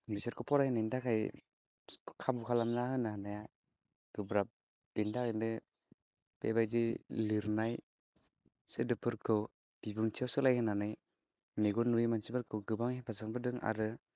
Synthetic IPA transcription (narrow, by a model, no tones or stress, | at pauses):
bisaɾkʰɯpʰɔɾajnajndakʰaj | kʰabukʰalamnahɯnahanaja | ɡ̥ɯbɾap̚ | d̥indakandɯ | pḛbajziliɾnaj | sedɯpʰɯɾkʰɯw | b̥ibɯŋtʰijawsɯlajkɯnanɯj | meɡɔnuimansibɯɾkʰɯwɡɯbaŋepʰasaŋbɯdɯŋa̰ɾɯ